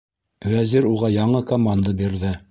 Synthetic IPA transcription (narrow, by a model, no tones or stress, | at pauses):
wæziɾuʁɑjɑɴɤkɐmand̪abiɾðɘ